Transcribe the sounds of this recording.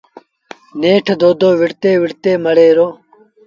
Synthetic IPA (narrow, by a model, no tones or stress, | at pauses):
neːʈʰd̪oːd̪oːʋiɽt̪eːʋiɽt̪eːmɐɽeːɾoː